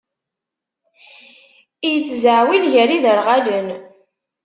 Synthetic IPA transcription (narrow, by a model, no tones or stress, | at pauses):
ijət͡sːzəʕwilʝəɾiðəɾʁalən